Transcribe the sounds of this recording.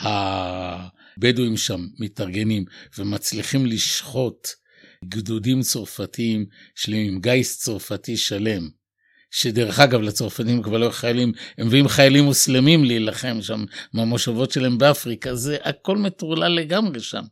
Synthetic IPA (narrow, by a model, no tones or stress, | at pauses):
ha | beduimʃamːetaʁɡe̞nimvemat͡sliχimliʃχo̞t | ɡdudimt͡so̞ʁfatiimʃlemimɡajst͡so̞ʁfatiʃale̞m | ʃe̞deʁeχaɡavlat͡so̞ʁfatiimkvaʁloχajalimemveimχajalimːuslemimliːlaχe̞mʃammamoʃavo̞tʃelaembeafʁikaze̞ʔako̞lmetuʁlale̞ɡamʁe̞ʃa̰m